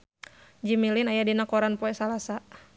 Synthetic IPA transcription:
d͡ʒimilinajadinakɔɾanpɔɛsalasa

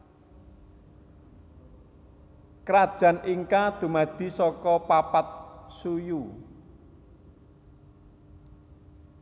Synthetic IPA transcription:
kɾad̥ʒ̥ä̤nʔiŋkad̪̥ṳmad̪̥i̤sɔkɔpapat̪̚suju

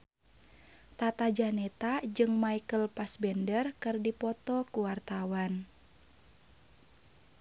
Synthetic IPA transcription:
t̪at̪ad͡ʒanɛt̪ad͡ʒɨŋmaikəlpasbɛndərkɨrdipɔt̪ɔkuwart̪awan

